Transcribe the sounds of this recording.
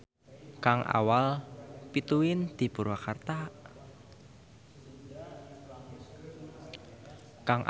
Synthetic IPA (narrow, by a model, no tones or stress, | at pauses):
kaŋʔa̰walpit̪uɪnd̪̥i̤puɾwakart̪a | kaŋʔ